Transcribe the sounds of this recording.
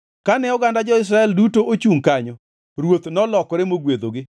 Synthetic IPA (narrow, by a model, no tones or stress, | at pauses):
kanɛɔɡandad͡ʒɔɪs̬ɾaɛldutoʔot͡ʃuŋkaɲɔ | ɾwot̪nɔlɔkɔɾemoɡwed̪oɡɪ